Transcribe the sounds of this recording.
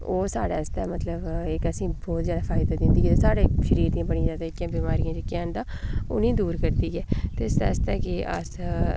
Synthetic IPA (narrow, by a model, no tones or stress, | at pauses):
oːsaːɽaːst̪ɛːmət̪ləbɪkəsĩːbɔːt̪zjaːd̪aːfʰaːɪd̪aːd̪ɪ̃nd̪iːɡeːt̪esaːɽeːʃəɾiːɾt̪ĩãːbəɽ̃iːd͡ʒaːd̪aːɪkːjãːbiːmaːɾijãːd͡ʒekːj̃ːnd̪aːo̰nĩːd̪uːɾkəɾd̪iːɡɛːt̪eɪsd̪a̰ːst̪ɛːkɪʔə̰s